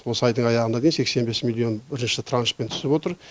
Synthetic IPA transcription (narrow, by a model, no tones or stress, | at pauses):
wo̞səɑjd̪əɴɑjɑʁənɑd̪ejinse̞kse̞nbe̞smilʲˠːio̞nbɪɾɪnʃɪt̪ʰranʃpent̪ʰʏ̥sɪpwo̞t̪əɾ